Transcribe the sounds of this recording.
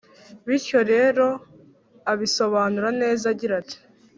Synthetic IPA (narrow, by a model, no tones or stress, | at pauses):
βiɾco̞ɾe̞ːɾo̞ | aβiso̞βaːnuɾane̞ːzaɟiɾati̥